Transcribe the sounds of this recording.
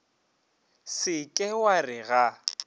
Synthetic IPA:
sɪkʼɪwarɪɣa

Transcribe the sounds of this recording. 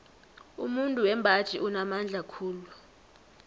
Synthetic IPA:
ṵmuntʼuwɛmbʱḁt͡ʃʼiʔunamand͡ɮʱakʰuːlu

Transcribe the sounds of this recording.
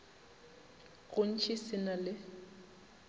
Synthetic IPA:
ɣʊn̩t͡ʃʰʼisɪnalɪ

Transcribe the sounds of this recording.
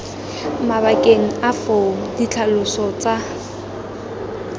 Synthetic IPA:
maβakʼeŋ̩afoŋ̩dit͡ɬʰalʊsɔt͡sa

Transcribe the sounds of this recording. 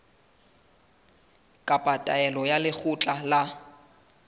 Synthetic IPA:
kʼapʼatʼaɛlɔjalɪk͡xʰʊt͡ɬʼala

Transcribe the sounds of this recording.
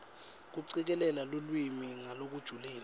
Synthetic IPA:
k̬uǀik̬ɛlɛlalolwimiŋalok̬ud̥ʒ̥ʱulɛːl

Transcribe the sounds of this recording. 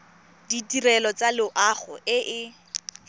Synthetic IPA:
ditirɛlɔt͡salɪʊʔaχʊ̰ʔɪʔɪ

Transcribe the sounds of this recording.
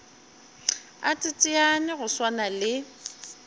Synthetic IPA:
atʼɪtʼɪanɪɣʊswanalɪ

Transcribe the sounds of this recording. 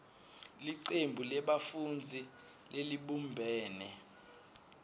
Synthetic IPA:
liǀembʱulɛɓafund͡zʱi | leliɓumbʱɛːnɛ

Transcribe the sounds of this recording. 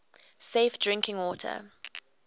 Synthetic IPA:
seɪfdɹɪ̃ŋkʰɪ̃ŋwɔtʰə̰

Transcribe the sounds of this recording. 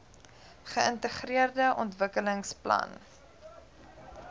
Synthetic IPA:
χəəntəχriərdəʔɔntvəkələŋsplɐ̰n

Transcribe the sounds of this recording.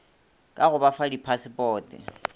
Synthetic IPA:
kʼaɣʊbafadipʰasɪpʼɔːtʼɪ̰

